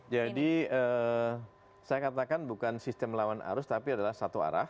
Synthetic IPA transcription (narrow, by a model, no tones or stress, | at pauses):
d͡ʒadiəː | sajakat̪akanbukansist̪ɛmlawana̰ɾʊst̪apiadalahsat̪ua̰ɾa̰h